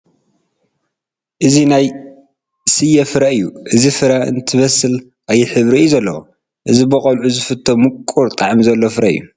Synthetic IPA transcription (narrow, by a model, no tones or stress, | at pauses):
ʔɨzinaj | sɨjɐfɨɾɐɨjːuʔɨzifɨɾɐɨ̰nt̪ʰɨβɐsɨl | ʔajːɛħɨβɾijuzɐlːɐwo | ʔɨzibɨχʼɐlʕuzɨfɨt̪ʰːomɨkʼːuɾt̪ʼaʕmizɐlːofɨɾɐʔɨ̰jːṵ